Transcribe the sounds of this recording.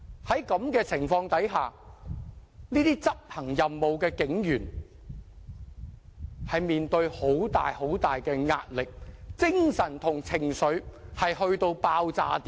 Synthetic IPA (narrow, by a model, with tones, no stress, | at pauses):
hɐ˨˥jkɐ˨˧mkɛː˧t͡sʰɪ˨˩ŋfɔː˧ŋt̪ɐ˨˥jɦaː˨˩ | niː˥t̪iː˥t͡sɐ˥p̚hɐ˨˩ŋjɐ˨mːo˨wkɛː˧kɪ˨˥ŋjyː˨˩n | hɐ˨jmiː˨nt̪ɵ˧ɥho˨˥wt̪a̰ː˨jho˨˥wt̪aː˨jkɛː˧ŋaː˧t̚lɪ˨k̚t͡sɪ˥ŋsɐ˨˩nt̪ʰʊ˨˩ŋt͡sʰɪ˨˩ŋsɵ˨˥ɥhɐ˨jhɵ˧ɥt̪o˧wpaː˧wt͡sa̰ː˧t̪iː˦